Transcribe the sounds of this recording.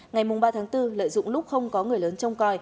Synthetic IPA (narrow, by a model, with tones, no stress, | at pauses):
ŋa˨˩jmʊ˨˩ŋ͡mɓaː˧t̪ʰaː˨˦ŋt̪ɨ˧lə̰ː˧˨jzʊ̰˧˨ŋ͡mlʊ˦˥k͡p̚xə˧wŋ͡mkɔ˨˦ŋɨ˨˩əjləː˨˦nt͡ɕə˧wŋ͡mkɔ˨˩j